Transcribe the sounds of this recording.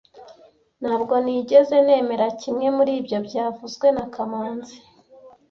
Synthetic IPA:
n̥haːbɡo̞niːɟe̞ze̞ne̞ːme̞ɾacimŋe̞muɾiːbjo̞bɟaːvuzɡwe̞nakʰamaːnzi

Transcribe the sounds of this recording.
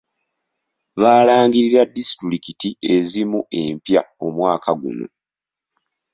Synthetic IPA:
βaːlaːŋɡiɾiɾadːistuɾikitie̞zimuʔe̞mpjaomwaːkʰaɡṵno̰

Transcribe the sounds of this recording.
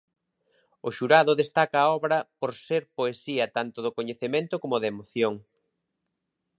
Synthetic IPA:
ʊʃuɾaðʊðest̪akɐːɔβɾɐpoɾseɾpoesiɐt̪ant̪ʊðʊkoɲeθemẽnt̪ʊkomʊðɐemoθjoŋ

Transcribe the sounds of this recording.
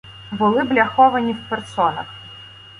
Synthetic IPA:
bʊlˠɪblʲaxɔʋɐnʲiwpersɔnɐ̰x

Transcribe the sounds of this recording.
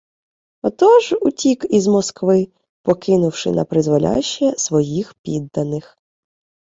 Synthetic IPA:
ɔt̪ɔʒutʲikizmɔskʋɪ | pɔkɪnʊwʃɪ̰nɐpɾɪzʋɐlʲa̰ʃːɛsʋɔjixpʲid̪ːɐnɪx

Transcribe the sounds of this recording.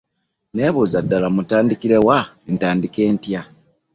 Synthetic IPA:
neːβozadːalamutaːndikiɾe̞wantaːndikeːntja

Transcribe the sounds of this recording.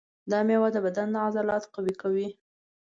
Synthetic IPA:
d̪ɑmewad̪ːəbad̪and̪əazɑlɑt̪qawikawi

